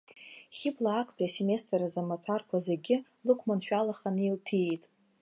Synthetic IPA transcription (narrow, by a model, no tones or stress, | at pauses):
χʲɪblaːkʷʰʼpʼase̞me̞stʰʼrazamatʷʰarkʷʰazeɡʲɪ | lɨkʷʰmanʃᶣalaχanɨiltʰitʼ